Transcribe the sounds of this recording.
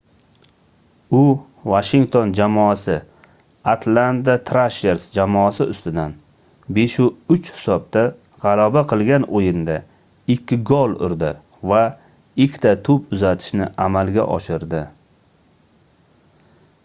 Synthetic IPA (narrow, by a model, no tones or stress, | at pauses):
ʊ | vaʃɪŋt̪ʰond͡ʒamɒasɪ | at̪ʰland̪at̪ʰɾaʃeɾsd͡ʒamɒasɪʊst̪ɪd̪an | beʃʊʊt͡ʃhɪ̥sɒb̚t̪a | ʁɑlabaqʰɨlˠɡʲanʔojɪnd̪a | ɪkʲʰːɪɡɒlˠʊ̰ɾd̪ɪ | va | ɪkʲʰt̪ʰat̪ʰʊpʊzat̪ʰɪ̥ʃnɪʔamalˠɡʲa̰ʔɒ̰ʃɪɾd̪ɪ